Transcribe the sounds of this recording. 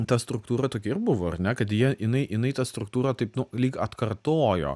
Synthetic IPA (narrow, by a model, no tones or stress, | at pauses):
t̪ɐst̪ɾʊk̚t̪uːɾɐt̪oːkʲɛɪɾbʊʋoːɐɾnʲɛkɐt̪jiɛʔɪnɐɪʔɪnɐɪt̪ɐst̪ɾʊk̚t̪uːɾɐt̪ɐɪpnʊlʲiːkɐt̪kɐrt̪oːjo̰ː